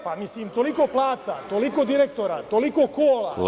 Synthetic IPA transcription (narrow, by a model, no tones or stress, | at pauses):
pamisliːmt̪olikoplaːt̪at̪olikod̪iɾek̚t̪oɾat̪olikokoːla̰